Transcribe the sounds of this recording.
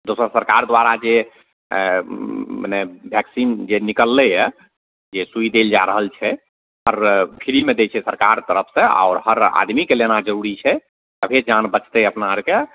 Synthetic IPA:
d̪osəsəɾkaɾd̪waɾad͡ʒe | mənɛbʱjɛksind͡ʒenikəlːɛjɛ | d͡ʒesuid̪eld͡ʒaɾəɦəlt͡ʃʰɛ | həɾkʰiɾimed̪et͡ʃʰɛsəɾkaɾt̪əɾəpʰsẽa̰ɔɾhəɾa̰d̪mikelenad͡ʒəɾuɾit͡ʃʰɛ | əbʱed͡ʒanbət͡ʃt̪ɛəpnaəɾke

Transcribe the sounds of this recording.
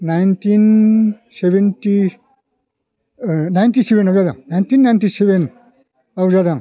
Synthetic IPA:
najntin | sebʱenti | najntisebʱenawzada̰ŋnajntinːajntiseben | awzadaŋ

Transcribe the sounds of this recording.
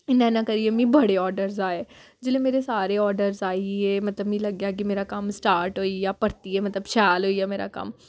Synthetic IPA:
nɛ̃ːnãkəɾiemĩːbəɽeɔːɖəɾzaːeː | d͡ʒɪlẽːmeːɾesaːɾeɔːɾɖəɾzaːiɛːmət̪ləbmĩːləɡjaːk̬imeːɾakɐmsʈaːɾʈɦoːijaːpəɾt̪iɛmət̪ləbʃɛːlɦoːiːjaːmeːɾa̰ːkɐ̰m

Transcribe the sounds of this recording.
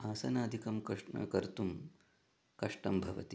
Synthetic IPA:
aːsɐnaːd̪ʱikɐmkɐʂɐ̰kɐɾt̪um | kɐʂʈɐmbʱɐʋɐ̰t̪i

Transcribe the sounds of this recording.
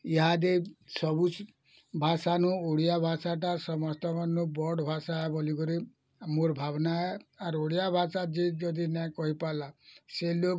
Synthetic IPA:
iɦad̪esɔbus | bʱasanuoɽijabʱasaʈasɔmɔst̪ɔmanːubɔɖbʱasaɦɛbɔliɡɔɾi | moɾbʱabnaɛaɾoɽijabʱasad͡ʒed͡ʒɔd̪inɛ̃kɔɦipalaselo

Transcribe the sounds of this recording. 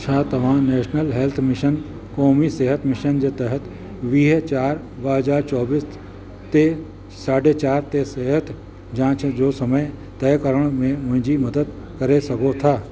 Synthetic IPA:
t͡ʃʰaːt̪ɐʋ̤ãːnɛːʃnəlɦelt̪ʰmɪʃən | kɔːmiseːɦət̪ʰmɪʃənd͡ʒet̪ɛɦət̪ | ʋiːɦt͡ʃaːɾ | bəɦəzaːɾt͡ʃɔːbis | t̪e | saːɖet͡ʃaːɾt̪eseːɦət̪ʰ | d͡ʒãːt͡ʃʰd͡ʒoːsɐməj | t̪ɛːkəɾəɽ̃mẽmʊ̃ɦɪ̃d͡ʒimɐd̪əd̪̚ | kɐɾesɐkot̪ʰaː

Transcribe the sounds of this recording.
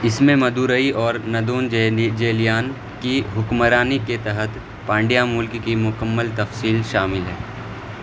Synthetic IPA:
ɪsmẽmɐd̪uːɾəiɔːɾnɐd̪uːnd͡ʒd͡ʒeːlijaːn | kiɦʊkməɾaːniket̪ɛɦət̪ | pãːɳɖijamʊlkkimʊkəmːəlt̪ɐfsiːlʃaːmɪlɦɛː

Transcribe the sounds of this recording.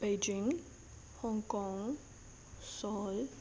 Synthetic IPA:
b̥ed͡ʒɪ̃ŋ | hɔ̃ŋkɔŋ | sɔl

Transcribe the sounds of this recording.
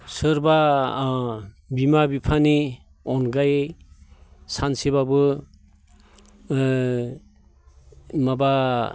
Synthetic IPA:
sɯɾba | bimabipʰani | ɔnɡaj | sanseβabɯ | maba

